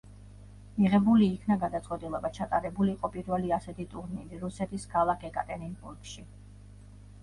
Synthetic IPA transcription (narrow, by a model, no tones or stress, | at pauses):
miʁɛbuliːkʰnaɡad̪at̪sʼɛt̪ʼilɛbat͡ʃʰat̪ʼaɾɛbuliːqʼɔpʼiɾvɛliasɛt̪ʰit̪ʼuɾniliɾusɛt̪ʰiskʰalˠakʰɛkʼat̪ʼɛɾinbuɾkʃi